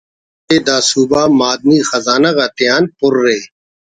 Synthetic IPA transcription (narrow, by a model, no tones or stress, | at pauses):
eːd̪aːsuːbaːmaːd̪̚miːxɐzaːnaːkaːt̪ɪjaːnpʊɾːeː